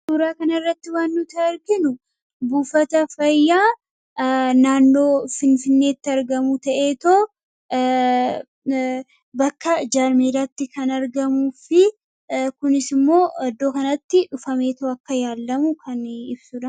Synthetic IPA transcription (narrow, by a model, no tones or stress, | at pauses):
suːɾaːkɐnɐrːɐt̪ːɪwaːnːʊt̪ɐɐɾɡɪnʊ | buːfɐt̪ɐfɐjːaː | naːnːo̞ːfɪnfɪnːe̞ːt̪ːɪɐɾɡɐmʊt̪ɐʔe̞ːt̪oː | bɐkːɐd͡ʒaːɾmiɾɐt̪ːɪkɐnɐɾɡɐmuːfɪ | kʊnɪsɪmːo̞ːɐd̪ːo̞ːkɐnɐt̪ːɪᶑʊfɐme̞ːt̪oɐkːɐjaːlːɐmʊkʰɐnɪbsʊᶑɐ